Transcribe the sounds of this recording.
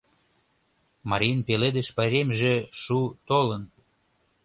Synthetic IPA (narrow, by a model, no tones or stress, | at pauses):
mɑɾʲinpeled̪eʃpɑɾʲemʒeʃut̪olən